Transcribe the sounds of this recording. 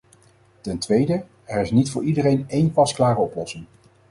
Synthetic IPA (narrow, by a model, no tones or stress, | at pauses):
tɛntʋejdə | ɛɹɪsnitfʊːɹidəɾejnejnpɑsklaːrəɔplɔsɪŋ